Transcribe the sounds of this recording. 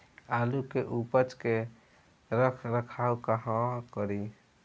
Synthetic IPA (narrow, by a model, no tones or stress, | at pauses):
alukeʔupət͡ʃke | ɾəkʰɾəkʰaukaɦãkəɾi